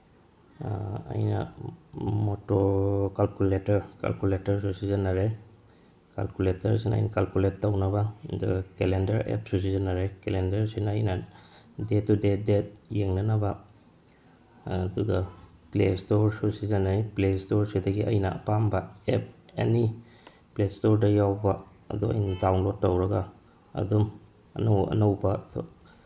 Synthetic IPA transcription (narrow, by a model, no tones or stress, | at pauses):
a̰jna̰ | motokalkuletɐɾka̰lkuletaɾsusizanːaɾe | ka̰lkuletaɾsina̰jnakalkuletːawnabaduɡakelendɐɾḛp̚sus̬izanaɾekelendɐɾsinajnadetːudedet̚jeŋnanaba | duɡa | plestoɾsusizanːajplestoɾsidɐɡiʔɐ̰jna̰ʔɐ̰pambaep̚ḛni | plestoɾdɐjawba | ɐ̰duɐ̰jnadawnlotːowɾɐɡa | ɐ̰dum | ɐ̰nowɐ̰nɐwbatʰɔ̰